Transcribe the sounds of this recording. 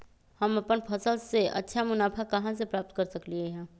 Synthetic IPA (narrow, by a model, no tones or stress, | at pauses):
hɐmɐpənpʰɐsəlseʔɐ̰tːʃʰamʊnaːpʰakɐɦãsepɾaːp̚t̪̚kɐɾsəklieɦɛ̃ː